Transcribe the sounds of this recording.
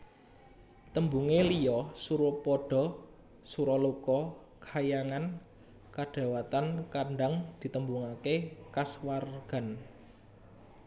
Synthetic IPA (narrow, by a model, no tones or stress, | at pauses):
t̪əmbuŋelijɔsuɾopɔɖ̥ɔ̤ | suɾɔlukɔ | kajaŋan | kaɖ̥ä̤wat̪ankaɳɖaŋd̪̥i̤t̪əmbuŋakekaswarɡ̥a̤n